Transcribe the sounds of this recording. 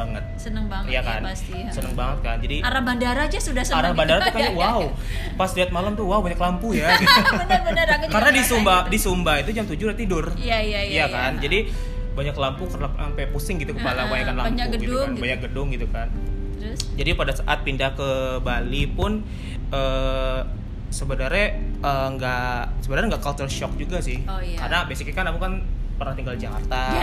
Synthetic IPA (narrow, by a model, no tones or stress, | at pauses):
baŋət̪̚sənəŋbajakan | sənəŋbaŋət̪̚kand͡ʒadiaɾabandaɾad͡ʒasudahsəaɾabandaɾat̪ukaɲawau | pasdiat̪̚malamt̪uwaubaɲaklampujabənabaaɾaɡəkaɾənadisumbahdisumbahit̪ud͡ʒamt̪ud͡ʒʊɾat̪idʊr | jajajakand͡ʒadi | baɲaklampʊŋkərnaampɛpusɪŋɡit̪ukəpalawajakanlampɲuɡɡianbajaɡədʊŋɡit̪ukan | d͡ʒadipadasaʔat̪̚pindahkəbalipʊn | ʔə | səbənaɾɲaəŋɡasəbədaɾŋɡaʔkalt̪ərʃɔk̚d͡ʒuɡasɪhkaɾənabesɪk̚kanakukanpərnaht̪iŋɡald͡ʒaka̰rt̪a